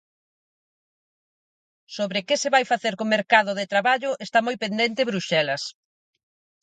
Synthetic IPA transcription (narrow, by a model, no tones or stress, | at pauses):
soβɾɪkeseβajfaθeɾkomeɾkaðʊðɪt̪ɾaβaʎʊʔest̪amojpend̪ent̪ɪeβɾuʃɛlɐs